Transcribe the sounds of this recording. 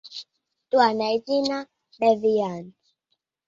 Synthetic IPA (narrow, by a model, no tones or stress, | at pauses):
tuanait͡ʃina | bɛvijan